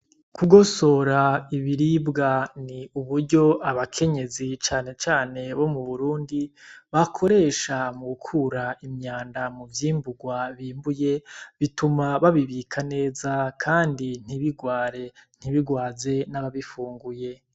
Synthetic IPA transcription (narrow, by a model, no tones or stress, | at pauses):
kuɡo̞so̞ɾaiβiɾibɡaniuβuɾɟo̞ʔaβakʰe̞ɲe̞zit͡ʃaːne̞t͡ʃaːne̞βo̞muβuɾuːndiβakʰo̞ɾe̞ːʃamuɡukʰuɾaimɲaːndamuvjiːmbuɡwaβiːmbuje̞βitumaβaβiβiːkʰane̞ːzakʰaːndin̥iβiɡwaːɾe̞n̥hiβiɡwaːze̞naβaβifuːŋɡuje̞